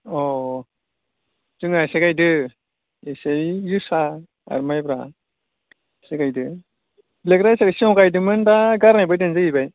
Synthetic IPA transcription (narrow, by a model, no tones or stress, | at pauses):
ɔ | d͡ʒɯŋaseɡajdɯ | eseijusa | a̰ɾmajbɾa̰ | sekajdɯ | blekɾajsakajsiɔŋɡajdɯmɯndaɡaɾnajbajdɯnzɯɡibaj